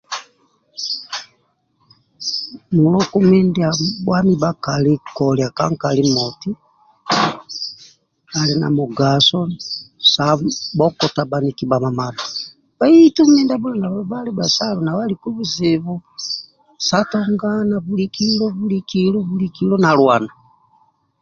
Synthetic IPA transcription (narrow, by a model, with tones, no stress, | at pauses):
nu˨lɔ˦ku˦mi˦ndia˨bwa˦mi˦ba˦ka˨li˦kɔ˨lja˨ka˦ŋka˨li˦mɔti˦ | a˨li˨na̰˨mu˨ɡa˨sɔ˦sa˨bɔkɔ˨ta˨ba˨niki˨ba˨ma˨ma˨na | βa˦itu˦mi˦nda˦bu˦la˨na˨βɔβali˦ba˨sa˦lɔ˨na˨βa˦liku˦βu˦ziβu˦ | satɔŋɡana˨βuliki˦lɔ˦βuli˦kilɔ˦βulikilɔ˦nalwa˨na